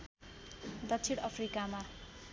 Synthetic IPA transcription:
d̪ʌt͡sʰiɽʌpʰrikama

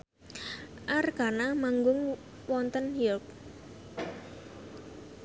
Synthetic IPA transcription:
ʔarɡanamaŋɡʊŋ | wɔnt̪ənhilp̚

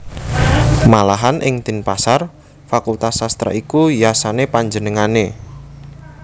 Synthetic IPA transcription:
malaɦanʔɪŋt̪ɪnpasar | fakult̪asast̪ɾa̰ʔikujasanepaɲd͡ʒənəŋane

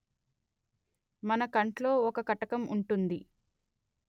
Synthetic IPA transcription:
mɐnɐkɐɳʈlo̞ːɔkɐkɐʈɐkɐmuɳʈund̪i

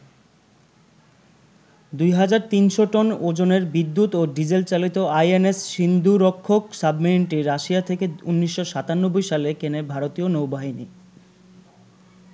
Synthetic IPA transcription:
d̪ujɦad͡ʑaɾt̪inʃoʈɔnod͡ʑoneɾbid̪ːut̪oɖid͡ʑelt͡ɕalit̪oajenesʃind̪uɾokʰːoksabmiɳʈiɾːaʃiat̪ʰekeunːiʃːoʃat̪anːobːojʃalekenebʱaɾot̪ionowbaɦinḭ

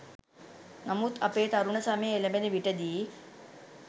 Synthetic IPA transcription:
nɐmut̪ʰɐpeːt̪ɐɾuɳɐsaːmeelɐmbeniʋiʈɐd̪i

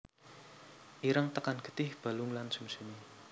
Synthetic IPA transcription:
ʔiɾəŋt̪əkanɡ̥ə̤t̪ɪhb̥a̤lʊŋlansumsuni

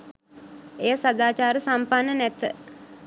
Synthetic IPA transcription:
ejəsad̪aːt͡ʃaːɾəsampanːənɛt̪ə

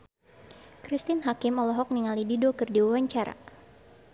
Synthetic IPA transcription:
kɾist̪ɪnɦakɪmɔlɔɦɔk̚niŋalididokɨrdiwawaɲt͡ʃaɾa̰

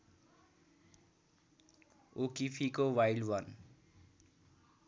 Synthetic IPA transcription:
okipʰikowailɖwʌn

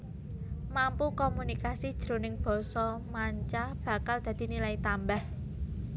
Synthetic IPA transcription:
mampukɔmunikasid̥ʒ̥ɾo̤nɪŋb̥ɔ̤sɔmaɲt͡ʃab̥ä̤kald̪̥ä̤d̪̥i̤nilait̪ambah

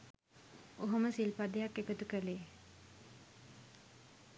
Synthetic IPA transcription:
oɦoməsilpad̪ejakːekət̪ukəleː

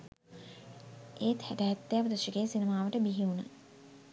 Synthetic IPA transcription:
ʔeːt̪hæʈæɦːt̪ːejapəd̪ɐʃəɡeːsinəmaːʋəʈəbiɦiunə

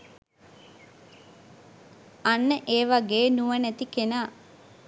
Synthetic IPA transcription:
anːəʔeːʋaɡeːnuʋənæt̪ikenaː

